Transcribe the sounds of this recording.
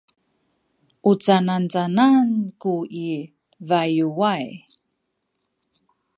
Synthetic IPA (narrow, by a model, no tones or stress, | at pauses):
ʔut͡sanant͡sanankui | vajuwaj